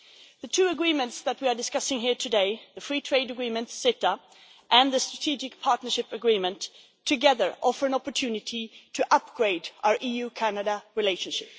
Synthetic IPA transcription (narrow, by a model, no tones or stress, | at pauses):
ðɨtʰʉːəɡɹĩmə̃ntsðɨt̚wia˞dɨskʌsɪ̃ŋɦiɹtʰɨdeɪðɨfɹiːtʰɹ̥eɪdəɡɹĩmɨ̃ntsɪtə | ʔɨ̃nðɨstɹ̥ətʰid͡ʒɪkpʰɑɹtⁿnə˞ʃɪpɨɡɹĩmə̃ntʰː | ɨɡɛðə˞ʔɔfə˞ɨ̃nɑpə˞tʰʉnɨɾʰitʰɨʔʌp̚ɡ̥ɹeɪdʔaʊə˞ʔijʉkʰænɨɾəɹɨleɪʃɨ̃n̩ʃɪp